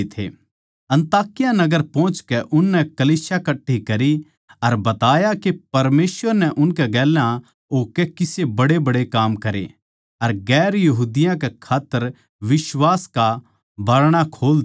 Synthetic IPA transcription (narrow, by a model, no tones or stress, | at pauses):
t̪ʰḛ | ɐ̃nt̪aːkɪjanɐɡəɾpɔ̃ːt͡ʃkɛʔʊnːɛ̃kɐliːsjakɐʈːikɐɾi | ɐɾbɐt̪aːjakepɐɾmeːswəɾnɛʔʊnkɛɡɛːlã | ɦoːkekɪsebɐɽebɐɽekaːmkɐɾḛ | ɐɾɡɛːɾjɐɦuːd̪ɪjãkekʰaːt̪ːəɾ | ʋɪʃwaːska | bʱaːɾɽ̃akʰoːl